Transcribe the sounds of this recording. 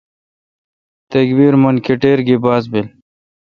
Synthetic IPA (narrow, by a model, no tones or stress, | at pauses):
t̪ɐkbiɾmɐnkeʈeːɾɡibaːzbil